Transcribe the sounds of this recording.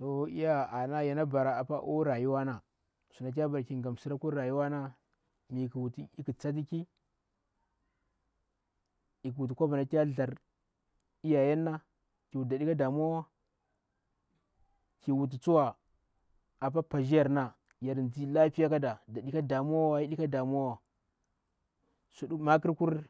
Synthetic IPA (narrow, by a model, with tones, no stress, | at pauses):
to˨˦ḭ˦ja˦a˨na˦ja˨na˦ba˨ɾa˨a˨pa˦ʔo˦ɾa˨ju˦wa˦na˨ | su˨na˨k̬ʲa˦ba˨ɾki˨ŋɡa˨msi˦ɾa˦ku˦a˨ju˦wa˦na˦ | mi˨ki˨wu˨ti˨i˦ki˨t͡sa˦t̬i˦ki˦ | i˨kwu˨t̬i˨kʷa˦ba˨na˨kʲa˦ɮa˨ɾ | i˦ja˨ja˦nːa˦ | ki˨wu˨da˨ɗi˦ka˦da˨mu˦a˦wa˦ | ki˨wu˨t̬i˨t͡su˦wa˨ | a˨pa˦pa˨ʒi˦ja˨ɾna˨ | ja˨ɾnd͡zi˦la˦pi˦ja˦ka˦da˨da˨ɗi˦ka˦da˨mu˦a˦wa˦i˦ɗi˦ka˦da˨m˦a˦wa˨ | su˨˦ma˦ki˦ɾku˦ɾ